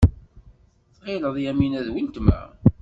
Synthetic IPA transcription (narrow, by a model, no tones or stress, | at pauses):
θʁeləðˤjæminæðwint̪mæ̰